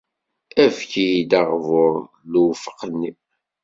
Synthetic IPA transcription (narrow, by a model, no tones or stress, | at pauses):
ævçijid̪ɑʁvʊɾˤ | luwfə̥qnːi